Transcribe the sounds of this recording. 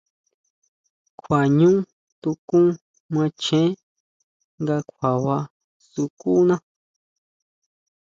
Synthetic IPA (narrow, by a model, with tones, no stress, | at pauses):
kʷʰa˨ɲũ˦ | t̪u˧kũ˦ | mã˧t͡ʃẽ˦ | ŋɡa˧kʷʰa˨βa˧ | su˧ku˦nã˦